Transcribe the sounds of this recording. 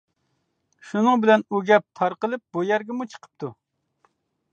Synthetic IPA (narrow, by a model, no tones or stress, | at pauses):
ʃunɨŋbɪlɛnuɡʲɛp̚t̪ʰɑɾqəlˠɨp̚bujɛɾɡʲɪmut͡ʃʰə̥qʰə̥p̚t̪ʰu